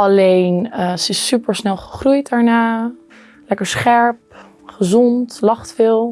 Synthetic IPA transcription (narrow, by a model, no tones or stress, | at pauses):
ɑlejnəsəɪsːypəɹsnɛlˠχə̥χrujtdaːɹnaː | lɛkəɹsχɛɹp̚ | χəzɔntlɑχtfɪːlˠ